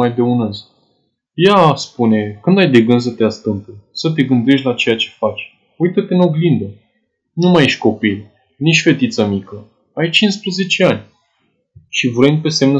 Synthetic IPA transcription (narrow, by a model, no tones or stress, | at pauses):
ajd̪e̞unəz | jaspune̞kɨnd̪ajd̪e̞ɡɨns̬ət̪east̪ɨmpesət̪̬e̞ɡɨnd̪e̞ʃ̬t̪ʲlat͡ʃe̞jat͡ʃe̞̥fat͡ʃʲ | ujt̪ət̪eno̞ɡlind̪ə | numajeʃʲko̞pilʲ | nit͡ʃʲfe̞t̪it̪səmikə | ajt͡ʃinspɾəze̞t͡ʃe̞anʲ | ʃivuɾenʲpe̞se̞mnə